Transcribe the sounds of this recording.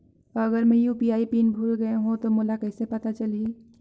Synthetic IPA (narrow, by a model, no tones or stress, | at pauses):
əɡəɾmẽjupijaipinbʱulɡəeɦũt̪omulakəɪsepət̪at͡ʃəli